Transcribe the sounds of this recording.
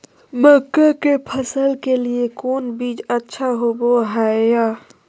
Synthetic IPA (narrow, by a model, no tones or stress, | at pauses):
məkːakepʰəsəlkeliekoːnbiːd͡ʒətːʃʰaɦoboɦaja